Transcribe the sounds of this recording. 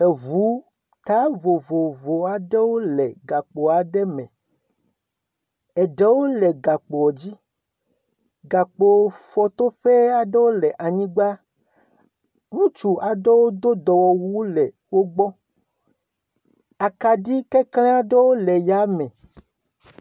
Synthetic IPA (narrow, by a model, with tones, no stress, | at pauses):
e˨vu˨˦ | t̪a˦vo˨vo˨vo˨a˨ɖɛ˦wo˦lɛ˨ɡa˨k͡po˨a˨ɖɛ˦mɛ̃˨ | ɛ˨ɖɛ˦wo˦lɛ˨ɡa˨k͡po˨ɔ˨d͡ʑi˦ | ɡa˨k͡po˨fɔ˨t̪o˦ɸe˦a˨ɖɛ˦wo˦lɛ˨ʔa˨ɲĩ˦ɡ͡ba˦ | ŋũ˦t͡ʃu˨a˨ɖɛ˦wo˦d̪o˦d̪ɔ˨wɔ˨wu˦lɛ˨ | wo˦ɡ͡bɔ˦ | a˨ka˨ɖi˦kɛ˦klẽ˦a˦ɖe˦wo˦lɛ˨ja˨˦mɛ̃˨